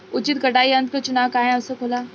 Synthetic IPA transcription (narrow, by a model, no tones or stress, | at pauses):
ʊt͡ʃɪt̪̚ɡɐʈaːiɐ̃nt̪̚kɐt͡ʃʊnaːwkaːɦẽɐsekʰoːlaː